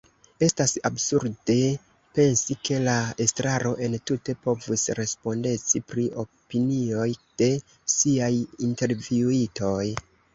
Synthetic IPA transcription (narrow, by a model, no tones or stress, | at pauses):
e̞stasabsuɾde̞ | pe̞nsikʰe̞laestɾaɾo̞ʔe̞ntute̞po̞vusɾe̞spo̞nde̞t͡sipɾio̞pinio̞jd̥e̞ | siajinte̞ɾviuito̞j